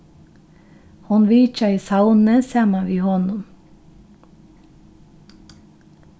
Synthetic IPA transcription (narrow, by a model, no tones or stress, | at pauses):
hʊnʋiːt͡ʃɑiːsɑʊnəsæːmɑʋiːhɔnʊm